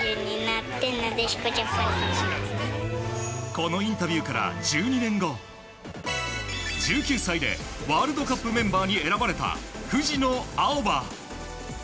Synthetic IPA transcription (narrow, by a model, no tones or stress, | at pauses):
ɯɲːinat̪ːenːod̪eɕi̥kot͡ɕasaɾiɕimas | ko̞no̞ĩnt̪abʲjɯːkaɾa̰d͡ʑɨːɲ̟inẽ̞ŋɡo̞ | d͡ʑɨːkʲɨːsaid̪e̞̰βaːɾɯd̪o̞kapːɯ̟mẽ̞mbaːɲ̟ie̞ɾabaɾe̞t̪a̰hɯ̟ʑino̞aoba